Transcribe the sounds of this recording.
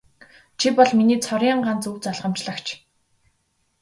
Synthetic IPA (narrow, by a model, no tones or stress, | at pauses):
t͡ɕʰipɔɮminiːt͡sʰɔɾjaɴɢant͡suwt͡saɮʁə̆m̥t͡ɕɮə̆kt͡ɕʰ